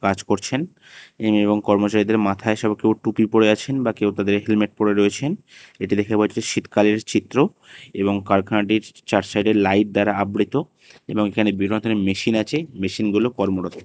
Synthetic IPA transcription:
kad͡ʑkoɾt͡ɕʰen | eboŋkɔɾmot͡ɕaɾid̪eɾmat̪ʰaeʃɔbkewʈupipoɽeat͡ɕʰenbakewt̪ad̪eɾɦilmeʈ̚poɽeɾoet͡ɕʰen | eʈilekʰepat͡ɕʰeʃit̪kaleɾt͡ɕit̪ːɾo | eboŋkaɾkʰaɖiɾt͡ɕaɾʈsajɖeɾlajʈ̚d̪aɾaabɽit̪o | eboŋekʰanebiɡɾont̪ʰonemeʃinat͡ɕʰemeʃinɡulokɔɾmoɾot̪ʰ

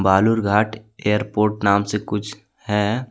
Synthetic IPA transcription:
baːlʊɾɡʱaːʈejəɾpoːɾʈnaːmsekʊt͡ʃʰ | hɛː

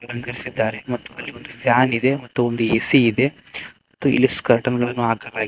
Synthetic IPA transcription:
ɐɐnuɡɐɾisid̪ːaːɾemɐt̪ːuɐlːiond̪upʰjaːnid̪e̞mɐt̪ːuond̪uesiːd̪e̞ | mɐt̪ːuḭlːiskɐɾʈɐŋɡɐɭɐnːuaːkɐlaːɡ

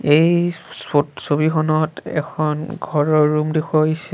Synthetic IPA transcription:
ejsotsobixɔnɔtɛ̰kʰɔnɡʱɔɹɔɹːumdikʰɔisɛ

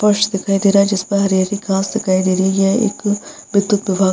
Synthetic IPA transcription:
pɐʃd̪ɪkʰaːid̪eːɾaːd͡ʒɪspəɦɐɾjaːɾikãːsd̪ɪkʰaːid̪eːɾijaḛːk | bɪd̪ʊt̪ʋɪbʱaː

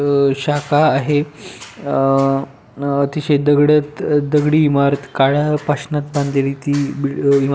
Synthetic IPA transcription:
ɕakaːɦe | ət̪iɕed̪əɡɽət̪d̪əɡɽiːmaɾət̪kaɭapaɕnat̪bãnd̪eliːt̪ibiim

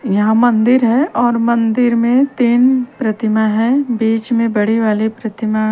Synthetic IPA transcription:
jɐɦãmɐ̃nd̪ɪɾɦɛʔɔːɾmɐ̃nd̪ɪɾmẽt̪eːnpɾɐt̪ɪmaɦɛ̃biːt͡ʃmẽbɐɽ̤iʋaːlepɾɐt̪ɪma

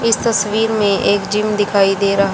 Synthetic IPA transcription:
ɪst̪ɐsʋiːɾmẽʔeːkd͡ʒiːmd̪ɪkʰaːid̪eːɾɐɦ

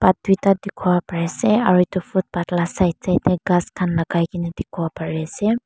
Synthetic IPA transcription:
pat̪̚d̪it̪ad̪ikʰɔwapaɹɛsɛaɹut̪upʰut̪̚patlasajt̪̚sajt̪ɛɡaskʰanlaɡajkinɛd̪ikʰɔwapaɹɛsɛ

